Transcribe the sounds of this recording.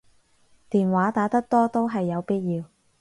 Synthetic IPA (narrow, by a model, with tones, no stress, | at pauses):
t̪iː˨nwaː˨˥t̪aː˨˥t̪ɐ˥k̚t̪ɔː˥t̪o˥wɦɐ˨jːɐ˨˧wpiː˥t̚jiː˧w